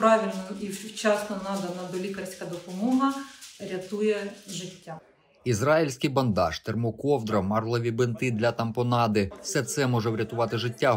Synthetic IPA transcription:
pɾɑʋʲilʲnɔit͡ʃɑsnɐnɑd̪ɐnɐd̪ɔlʲikɐrsʲkɐd̪ɔpɔmɔɦɐɾʲɐt̪ujɛʒɪtʲːa | izrɑjilʲsʲkɪjbɐnd̪ɑ̰ʃt̪ermɔkɔwd̪ɾɐmɑrlˠɔʋʲibɪnt̪ɪd̪lʲɐt̪ɐmpɔnɑd̪ɪfsɛt̪sɛmɔʒɛwɾʲɐt̪ʊʋɑt̪ɪʒɪtʲːa

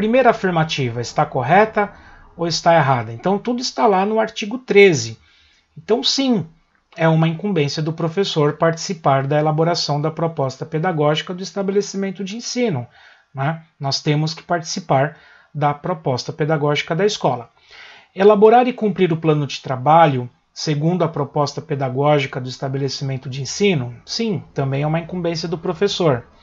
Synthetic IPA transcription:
pɾimejɾɐafiɾmat͡ʃivɐɪst̪akoɦɛt̪ɐ | owɪst̪aeɦad̪ɐẽnt̪ɐ̃w̃t̪ud̪ʊɪst̪alanʊaɾt͡ʃiɡʊt̪ɾezɪ | ẽt̪ɐ̃w̃sĩ | ɛũmɐĩŋkũbẽsiɐd̪ʊpɾofesoɾpaɾt͡ʃi̥sipaɾd̪ɐelaboɾasɐ̃w̃d̪ɐpɾopɔst̪ɐped̪aɡɔʒikɐd̪ʊɪst̪abelesimẽnt̪ʊd͡ʒɪẽsĩnʊ | nɛnɔst̪ẽmʊskɪ̥paɾt͡ʃi̥sipaɾ | d̪ɐpɾopɔst̪ɐped̪aɡɔʒikɐd̪ɐiskɔlɐ | elaboɾaɾɪkũpɾiɾʊplɐ̃nʊd͡ʒɪ̥t̪ɾabaʎʊ | seɡũnd̪ʊɐpɾopɔst̪ɐped̪aɡɔʒikɐd̪ʊist̪abelesimẽnt̪ʊd͡ʒɪẽsĩnʊsĩt̪ɐ̃mbẽj̃ɛũmɐĩkũmbẽsiɐd̪ʊpɾofesoɾ

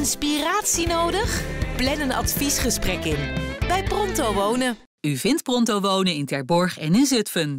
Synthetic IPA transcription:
nspiraːtsinowdəχplɛnənɑ̰tfisχəsprɛkɪnb̥ɛjprɔntowʋownə | yvɪntprɔntowʋownəɪntɛɹbɔɹχɛnɪnzɵtfən

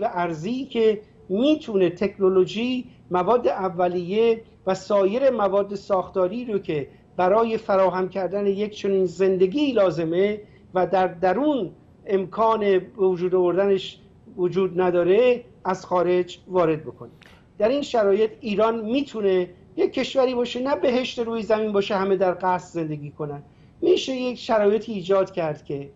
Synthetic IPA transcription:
æʔæɾziːkʰe̞ | miːt̪ʰune̞t̪ʰe̞kʰno̞lo̞ʒi | mævɒːd̪ːe̞ʔævːælijːe̞ | væsɒːje̞ɾemævɒːd̪ːe̞sɒːxt̪ɒːɾiːɾocʰe̞ | b̥æɾɒːje̞fæɾɒːɦæmcʰæɾd̪æne̞jekt͡ʃʰo̞niːnze̞nd̪e̞ɡiːlɒːze̞me̞ | væd̪æɾd̪æɾuːn | emkʰɒːne̞bevod͡ʒuːd̪ovoɾd̪æneʃ | vod͡ʒuːd̪næd̪ɒːɾe̞ | æzxɒːɾe̞d͡ʒvɒːɾe̞d̪̚bokʰo̞ne | d̪̥æɾiːnʃæɾɒːje̞t̪ʰiːɾɒːnmiːt̪ʰune̞ | jekʰːe̞ʃvæɾiːbɒːʃe̞næbe̞ɦe̞ʃt̪e̞ɾuːjezæminbɒːʃehæmed̪æɾɡæsze̞nd̪e̞ɡʲiːkʰo̞næd̪ | miːʃe̞je̞kʃæɾɒːje̞t̪ʰiːd͡ʒɒːd̪cʰæɾd̪̥cʲʰe̞

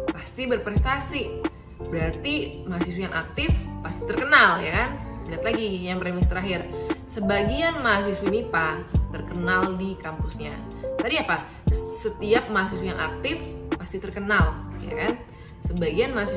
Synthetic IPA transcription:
past̪ibərpɾɛst̪asi | bəɾart̪imaɦasiswejaŋʔak̚t̪ɪfpast̪it̪ərkənalja̰kand͡ʒəɾat̪laɡijaŋpəɾemist̪əɾaɦɪrsəbaɡianmaɦas̬isweinipat̪ərkənaldikampusɲa | t̪adiapa | sət̪iap̚maɦas̬isweja̰ŋʔa̰k̚t̪ɪfpast̪it̪ərkənalja̰kan | səbaɡianmaɦasi

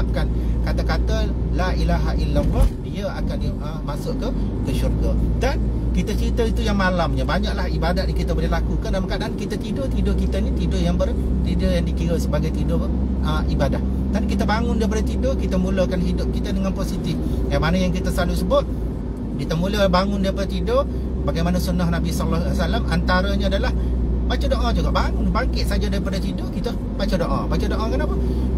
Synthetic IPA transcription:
p̚kankat̪akat̪əlailaɦaʔilərɔt̪̚diəakaniəmasʊʔkəkəʃurɡadankit̪ət͡ʃəɾit̪əit̪ujaŋmalamɲabaɲaʔlahibadatnikit̪əbolɪhlakukanamaŋkadaʔankit̪ət̪idot̪idʊkit̪anit̪idʊʔjaŋbər | t̪idəjaŋdikiɾəsəbaɡajt̪idʊ | əibadah | t̪anikit̪əbaŋʊndaɾipadət̪idokit̪əmuləkanɦidʊp̚kit̪ədəŋanposit̪ɪf | kamanəjaŋkit̪əsalusəbʊt̪̚ | kit̪əmuləbaŋʊndaɾipadət̪idoʔ | baɡajmanəsunahnabisɔlahsalamʔant̪aɾəɲəadalahbat͡ʃədoʔad͡ʒuɡaʔbaŋʊnbaŋkɪʔ̪sad͡ʒadaɾipadət̪idoʔkit̪ə | bat͡ʃədoʔabat͡ʃədoʔakanapə

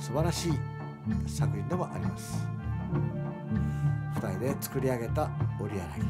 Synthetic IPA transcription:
sɨbaɾaɕiː | sakɯ̟ind̪oβaʔa̰ɾʲimasɨ̥ | ɸɯ̟̥t̪aɾʲid̪e̞t͡sɨ̥kɯ̟ɾʲiaɡe̞t̪ao̞ɾʲiaɾa̰i

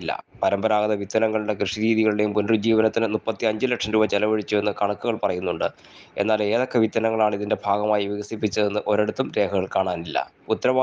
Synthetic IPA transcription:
lːɐ̰pɐɾɐmbɐɾaːɣɐðɐʋit̪ːɐnɐŋːɐɭuɽekrɨʂiɾiːðiɣɐɭuɽe̞jumpunrɨd͡ʑiːʋɐnɐt̪ːinɨnupːɐt̪ːiɐɲd͡ʑɨlekʂɐmɾuːbɐt͡ɕelɐʋɐɻit͡ɕːue̞nːɨkɐɳɐkːuɣɐɭpɐrɐjunːuɳɖɨ | e̞̰nːaːle̞ːðo̞kːe̞ʋit̪ːɐnɐŋːɐɭaːɳiðinde̞bʱaːɡɐmaːjiʋiɣɐsipːit͡ɕːɐðenːɨʔo̞ɾeɽut̪ːumɾe̞ːkʰɐɣɐɭkaːɳaːnilːɐ̰ | ut̪ːɐɾɐʋaː

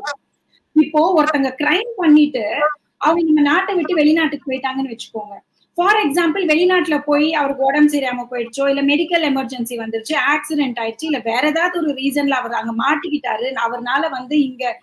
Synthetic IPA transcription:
ɪpːoːɔɾɯt̪ːɐŋɡɐkɪɾɐɪmpɐɳːɪʈːɯ | ʔɐʋɐŋɡɐnɐmːɐnaːʈːɐʋɪʈːɯʋɛɭɪnaːʈːɯkːɯpoːjʈːaːŋɡɐnːɯʋɐt͡ʃːɯ̥kːoːŋɡɐ | faːɾɛksaːmpɐlʋɛɭɪnaːʈːɪlɐpoːjiɐʋɐɾɯkːɯɔɽɐmsɛjɪɾaːmɐpoːjɪɽɯt͡ʃːoːɪlːɐmɛɽɪkːɐlɛmɐɾd͡ʒɛnsiʋɐnd̪ɯɾɯt͡ʃːɯaːksɪɖɛɳʈaːjɪɾɯt͡ʃːɯɪlːɐʋeːɾɛðaːðɯɔɾɯɾiːsɐnlaɐʋɐɾðaːŋɡɐmaːʈːɯkːɪʈːaːɾɯnɐʋɐɾnaːlɐʋɐnd̪ɯɪŋɡɐ

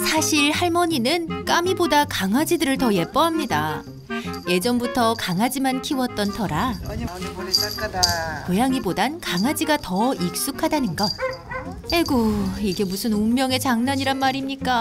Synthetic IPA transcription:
sʰaɕʰiɭhaɭmʌɲinɯnk͈amibodakaŋad͡ʑidɯɾɯɭtʌje̞p͈ʌɦamɲida | je̞d͡ʑʌmbutʰʌkaŋɦad͡ʑimankʰiwʌt̚t͈ʌntʰʌɾa | kojaŋibodankaŋɦad͡ʑiɡatʌik̚s͈ukʰadanɯnɡʌnhe̞ɡoiɡe̞musʰɯnummjʌŋe̞t͡ɕaŋnaɲiɾanmaɾimɲik͈a

